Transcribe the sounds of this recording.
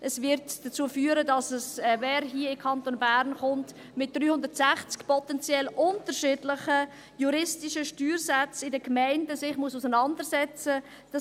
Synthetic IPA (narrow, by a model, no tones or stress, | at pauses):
ʔəsvɪɾtd̥ət͡suːəfyːəɾədɑsəsvɛːɾɦiːəɪkʰɑntonbæɾnχʊnt | mɪt̚d̥ryːhʊndəɾtsæχt͡skpɔtɛnt͡sjɛlʔʊntəɾʃɪːdlɪχə | juɾɪstiʃəʃtyːɾsat͡sɪdəkmaɪndəsɪχmususənɑndəɾsɛt͡sə | d̥ɑ